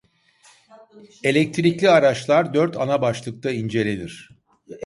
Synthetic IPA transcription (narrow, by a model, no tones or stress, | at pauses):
e̞lʲɛc̚t̪ʰɾiclʲiaɾat͡ʃlˠaɾd̪øɾt̪ʰanabaʃlˠɯk̚t̪ʰaind͡ʒe̞lʲenʲiɾ̝̥